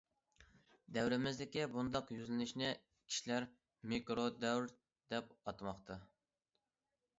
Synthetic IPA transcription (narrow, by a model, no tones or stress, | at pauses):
d̪ɛwɾɪmɪzd̪ɪkʲibund̪ɑqjyzlɪnɪʃnɪ | kʲʰi̥ʃlæɾ | mikɾod̪ɛwɾ | d̪ɛp̚ɑt̪mɑχqt̪ʰɑ